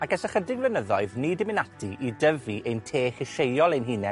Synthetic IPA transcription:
akɛsɛχədɪɡvlɛnəðɔɨðnidɪmɪnatʰiʔidəviʔejntʰeːχɪʃejɔlˠejnɦinɛ

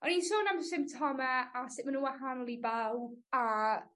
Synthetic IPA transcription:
ɔninsoːnamsɪmtʰɔmaasɪʔmanunwahanlˠibɛlˠba

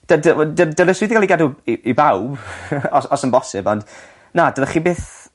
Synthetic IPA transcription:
d̥ədədədələswiːðiɡaliɡaduiibawbɔsɔsənmbɔsɪ̰bɔnd | nadəðəχiːbeːθ

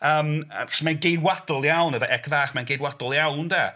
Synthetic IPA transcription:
əːməsmanɡejdwadɔlˠjawnəvəʔɛkʰvaːχmanɡejdwadɔlˠjawndɛ

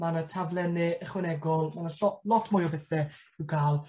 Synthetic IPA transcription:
manətʰavlˠɛnɪəχwɛnɛɡɔlˠmanəɔlɔtʰmʊjɔbɛθɛ | ɪwɡaːlˠ

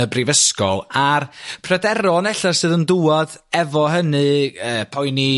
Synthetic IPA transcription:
əbrivəskɔ̰lˠarpʰradɛɾɔnɛɬarsɨːðənduːɔdɛvɔɦənɨəːpʰɔjni

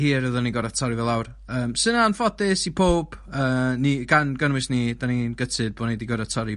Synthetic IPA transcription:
hiːɾəðɔniɡɔɾatʰɔɾɨvɛlˠawr | əːmsənanfɔdɪsipʰoːb̥əːniɡ̥anɡənwɨsnidaninɡətʰɨd̚boːnejdiɡɔɾatʰɔɾi

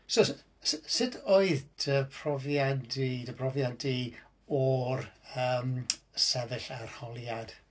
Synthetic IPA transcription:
so | ssɪdʰoɨðd̥əpʰrɔvjandidəbʰrɔvjandi | ɔrəːmsɛðɪɬarhɔlˠjad̥

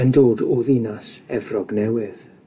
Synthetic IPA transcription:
əndoːdʊðinasɛvrɔɡnɛwɪð

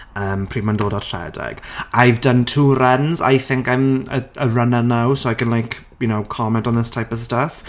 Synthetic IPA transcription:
əːmpʰr̥iːmandoːdɔtʰrɛ̰dɛ̰ɡ̥ajvdəntʰuːɾɛnza̰jθɪ̃ŋkãjmə̰əɹənanawsoʊakə̃nlˠajkʰ | jʊnowkʰɔmɛ̃ntɔ̃nðɪstʰajpɔv̥stəf

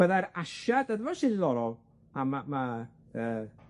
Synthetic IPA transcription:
əðaɾaʃadəðvaʃɪðlˠɔɾɔlˠ | amama | əː

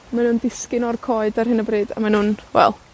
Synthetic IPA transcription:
manuːndɪskɪnɔrkʰɔɨdarɦhɨnəbrɨːda̰manuːnwɛ̰lˠ

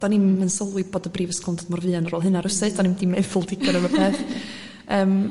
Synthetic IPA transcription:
d̥animənsəlˠwiboːdəbriːvəskˠndədmɔrvɨanənroːlˠɦɨnaɾəsɛd̥animdimevʊlˠdɪɡɔɾəvəbʰeːθ | əːm

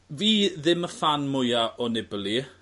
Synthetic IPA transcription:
viːðɪməfanmʊjaʔɔnɪbəlˠi

